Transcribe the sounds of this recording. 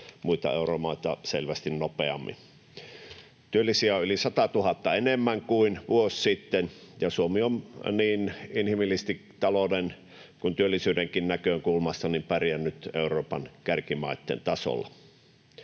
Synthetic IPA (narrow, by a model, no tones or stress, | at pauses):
muit̪ɑ̰euromɑˑit̪ɑselʋæst̪innopeɑ̰mːḭn | t̪yølːisiæylisɑt̪ɑt̪uhɑt̪ːɑenemːæŋkuinʋuossit̪ːenjɑsuomiomniːninhimilːist̪it̪ɑlonen | kunt̪yølːisyːdeŋkinnækøŋkulmɑst̪ɑnimpærjænːyt̪euroːpɑnkærkimɑ̰ˑit̪ːḛnt̪ɑso̰lːˑɑ̰